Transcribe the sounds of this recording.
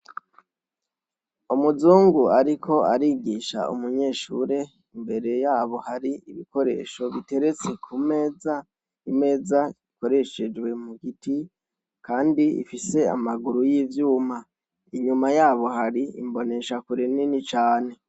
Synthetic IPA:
umuzuːŋɡuaɾikʰo̞aɾiːɡiʃa̰ʔṵmuɲe̞ːʃuɾe̞ | imbe̞ɾe̞jaːβo̞haɾiiβiko̞ɾe̞̰ːʃo̞βite̞ɾe̞t͡se̞kʰumeːza | ime̞ːzaiko̞ɾe̞ʃe̞d͡ʒwe̞muɡiti | kʰaːndiḭfise̞a̰maɡuɾujiːvjuːma | iɲumajaːβo̞ɦaɾiḭmbo̞ne̞ʃakuɾininit͡ʃaːne̞

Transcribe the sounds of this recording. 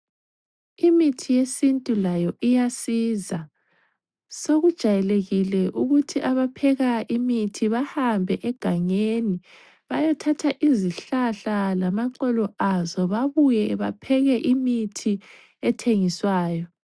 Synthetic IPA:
imitʰijesintʼulajɔʔijasiza | soɣud̥ʒ̥ʱajɛleɣilɛʔuɣutʰiʔaβapʰɛɣaʔimitʰiβahambʱɛʔɛɡ̥ʱaŋeni | βajɔtʰatʰaʔiziɬaɬalamaǃɛlɔʔazɔβaβujɛβa̰pʰɛɣɛʔimitʰi | ɛtʰeŋiswaːjɔ

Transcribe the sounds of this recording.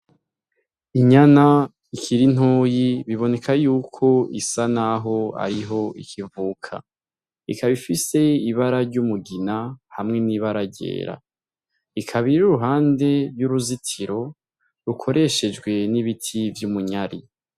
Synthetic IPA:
iɲana | ikʰiɾin̥oːjiβiβo̞ne̞kʰajuːkʰo̞isanaɦo̞a̰ɾiɦo̞ḭkʰivukʰa̰ | ikaβifise̞iβaɾaɾɟumuɡinahamŋe̞niβaɾaɟe̞̰ːɾa̰ | ikʰaβiɾuɾuɦaːnde̞ɾjuɾuzitʰiɾo̞ | ɾukʰo̞ɾʔe̞ʃe̞d͡ʒɡwe̞niβitʰivjumuɲaɾi

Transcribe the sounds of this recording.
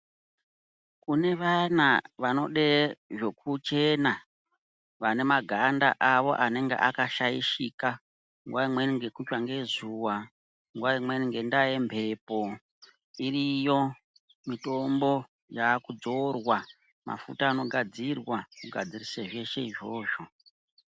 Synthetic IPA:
kune̞ʋanaʋano̞̰ɗeʐo̞kʰut͡ʃe̞na | ʋane̞maɡʱanda̰ʔaʋo̞̰ʔane̞ŋɡḛʔakaʃajḭʃika | ŋɡwaimweniŋɡe̞kut͡ʃwaŋɡe̞zuwa | ŋɡwaimweniŋɡendajempʰe̞po̞ | irijo̞ | mito̞mbo̞ | jakud͡zo̞rwa | ma̰fṵtaːno̞ɡʱad͡zirwamuɡʱa̰d͡ziriseʐe̞ʃe̞iʐo̞ːʒo̞

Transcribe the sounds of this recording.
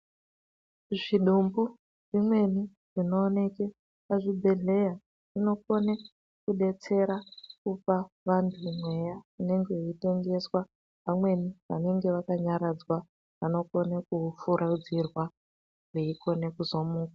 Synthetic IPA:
ʐiɗumbu | ʐ̥imwe̞ni | ʐ̥ino̞ːne̞ke | paʐibʱe̞ɮe̞ja | ʐ̥ino̞ko̞ne | kuɗe̞t͡se̞ɾakupa | ʋantʰumwe̞jaine̞ŋɡe̞ite̞ŋɡe̞swa | pamwe̞niʋa̰ne̞ŋɡe̞ʋakaɲaɾad͡zwa | ʋano̞ko̞nakufuɾaud͡zirwa | ʐ̥eiko̞ne̞kuzo̞muːkḁ

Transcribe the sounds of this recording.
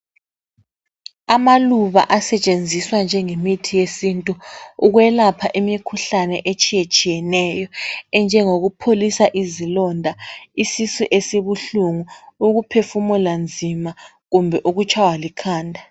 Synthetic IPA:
amaluβa̰ʔasɛt͡ʃʼend͡zʱiswand͡ʒʱɛŋemitʰijesintʼuuɣwɛlapʰaʔimikʰuɬanɛʔet͡ʃʼijet͡ʃʼijɛnɛjɔɛnd͡ʒʱɛŋoɣupʰolisaʔizilɔndʱaisisuʔesiβuɬuŋuuɣupʰefumɔland͡zʱima | ɣumbʱɛʔuɣut͡ʃʰʼawalikʰaːndʱa

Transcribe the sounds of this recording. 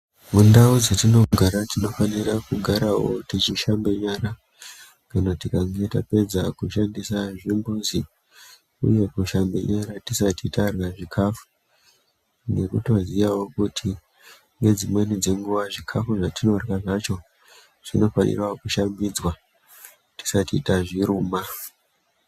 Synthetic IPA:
mundaud͡zatino̞ɡʱaɾatino̞fanirakuɡʱaɾawo̞̰tit͡ʃiʃambe̞ɲaɾa | kanatikaŋɡe̞tape̞d͡zakuʃandisaʐimbuzi | ṵje̞kuʃambḛɲaɾatisatitaraʐikʰafu̥ | ne̞kuto̞zijawo̞kutʰi | ŋɡe̞d͡zimwe̞nid͡ze̞ŋɡuʋaʐikʰafuʐatino̞rɣaʐat͡ʃo̞ | ʐ̥ino̞fanḭrwakuʃambid͡zwa | ti̥satiːtaʐiɾuːma

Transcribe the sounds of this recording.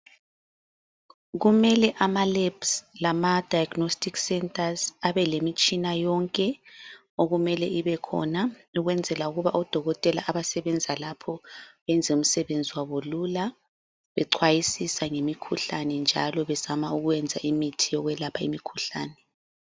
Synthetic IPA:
ɣumɛlɛʔamalɛbslamad̥ʱajaɡ̥nostʰʼiksɛntʼazaβɛlemit͡ʃʼinajɔŋkʼɛ | oɣumɛlɛiβɛkʰɔ̰nauɣwɛnd͡zʱɛlauɣuβaʔɔd̥ʱɔɣɔtʼɛla̰ʔaβasɛβɛnd͡zʱalapʰɔβɛnd͡zʱɛum̩sɛβend͡zʱiwaβolula | βɛǀʰwajisisaŋemikʰuɬanɛnd͡ʒʱa̰lɔβɛz̥amauɣujɛnd͡zʱa̰ʔimitʰijɔɣwɛlapʰaimikʰuɬa̰ːnɛ

